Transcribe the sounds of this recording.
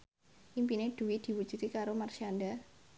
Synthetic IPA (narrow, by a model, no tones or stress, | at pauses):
ʔimpined̪̥ṳwid̪̥i̤wud̥ʒ̥ṳt̪ikaɾomarsianda